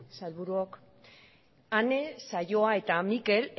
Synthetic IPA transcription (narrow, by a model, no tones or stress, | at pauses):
salβuɾuok | ane̞saʝo̞ae̞t̪amike̞l